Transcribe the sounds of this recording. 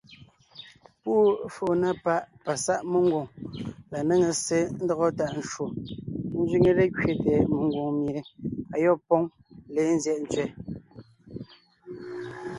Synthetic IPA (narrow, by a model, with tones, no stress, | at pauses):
puː˦fo˨na˦pa˦ʔpa˨sa˦ʔmə˦ŋ˦ɡwo˨ŋla˨ne˦ŋe˨se˦n̩˦dɔ˦ɣɔ˦ta˨ʔn̩˦ʃwo˨n̩˦zɥi˦ŋe˦ɾe˦kɥe˨tɛ˨mə˨ŋ˦ɡwo˨ŋmi˨ɾe˦a˨jɔ˦˨pɔ˦ŋ | le˨˦n̩˦zjɛ˦ʔn̩˦t͡sɥɛ˨